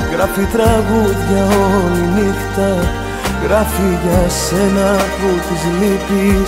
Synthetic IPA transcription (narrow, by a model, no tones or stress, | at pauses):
ɣɾafit̪ɾɐɣuʎːɐolinikt̪ɐ | ɣɾafiʝɐsenɐput̪izmipi